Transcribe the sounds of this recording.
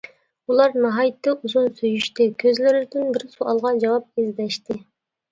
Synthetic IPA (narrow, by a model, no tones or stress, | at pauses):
ulˠɑɾnɨɦɑjt̪ʰːɨʔuzunsyjyʃt̪ɪkʲʰøzlɪɾɪd̪ɪnbɪɾsuʔɑlˠʁɑd͡ʒɑwɑp̚ezd̪ɛʃt̪ɪ